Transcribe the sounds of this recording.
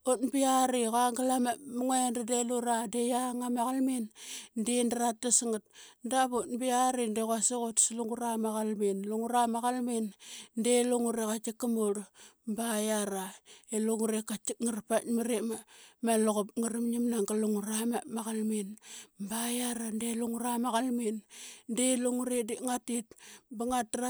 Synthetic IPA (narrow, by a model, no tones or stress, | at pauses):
ot̚biaɾiɣaŋɡalamamuŋendadeluɾadejaŋamaɣalmindendaɾat̚dasiŋat̚ndabot̚biaɾindekaseɣotsluŋɡuɾamaɣalminluŋuɾamaɣalmindeluŋuɾekat͡ʃikːamoɾ | mbajaɾaeloŋuɾekat͡ʃik̚ŋarpatmiɾemamaloɣop̚ŋaɾimɲimnaŋɡaluŋuɾamamaɣalminmbajaɾandeluŋuɾamaɣalminndeluŋuɾediʔŋatit̚baŋat̚dɾa